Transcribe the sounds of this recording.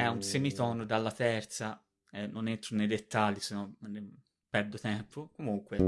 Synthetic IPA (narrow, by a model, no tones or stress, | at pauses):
ɛunsemit̪ɔːnod̪alːat̪ɛrt̪sa | ɛnːonent̪ɾonejd̪et̪ːalːisenɔne | pɛrd̪ot̪ɛmpʰokomuŋkwe